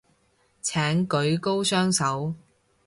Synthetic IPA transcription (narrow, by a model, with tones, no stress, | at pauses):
t͡sʰɛː˨˥ŋkɵ˨˥ɥko˥wsœː˥ŋsɐ˨˥w